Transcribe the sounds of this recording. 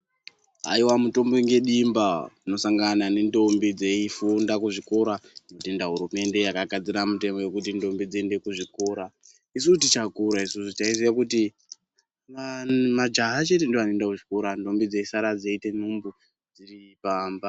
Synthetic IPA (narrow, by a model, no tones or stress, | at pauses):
ɦa̰iwamuto̞mboŋɡe̞ɗimbauno̞saŋɡanane̞ndo̞mbid͡zeifundakuʐiko̞ɾano̞tendaɦuɾume̞nde̞jakaɡad͡ziɾamute̞mo̞je̞kutindo̞mbid͡zende̞kuʐiko̞ːɾa | is̬utit͡ʃakuɾaisusut͡ʃaisijakuti | amad͡ʒaɦat͡ʃe̞tendoanendakuʐikoɾando̞mbid͡zeisaɾad͡zeite̞numbu | d͡ziripaːmba